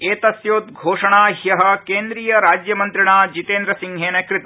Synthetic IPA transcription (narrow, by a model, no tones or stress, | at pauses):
eːt̪ɐsjoːt̪̚ɡʱoːʂɐɳaːɦjɐɦɐ̆keːnd̪ɾiːjɐɾaːd͡ʒjɐmɐnt̪ɾiɳaːd͡ʒit̪eːnd̪ɾɐsiŋɦeːnɐkɾɪt̪